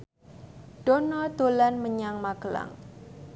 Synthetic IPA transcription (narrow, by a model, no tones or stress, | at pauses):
ɖ̥onɔd̪̥o̤lanməɲaŋmaɡ̥əla̰ŋ